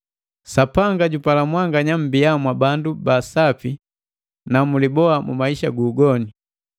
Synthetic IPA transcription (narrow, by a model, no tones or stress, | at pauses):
sapaŋɡaɟupalamwaŋɡaɲam̩biamwabandubasapi | namulibɔamṵmaiʃaɡuːɡɔni